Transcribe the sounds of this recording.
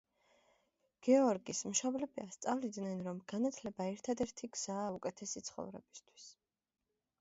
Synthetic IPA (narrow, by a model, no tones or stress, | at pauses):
ɡ̥ɛɔɾɡismʃɔblɛbiast̪sʼavlid̪nɛnɾɔmɡ̥anat̪ʰlɛbaɛɾt̪ʰad̪ɛɾt̪ʰiɡz̥aːukʼɛt̪ʰɛsit̪sʰχɔ̰vɾɛ̰bist̪ʰwi̥s